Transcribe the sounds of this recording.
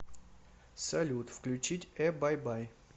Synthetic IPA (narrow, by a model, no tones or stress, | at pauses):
sɐlʲut̪fklʲʉt͡ɕitʲɛbajbaj